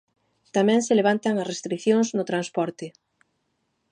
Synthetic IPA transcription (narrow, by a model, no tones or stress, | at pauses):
t̪amɛ̃ŋsɪleβ̞ant̪aŋɐsrest̪ɾikθjoŋznʊt̪ɾanspɔɾt̪ɪ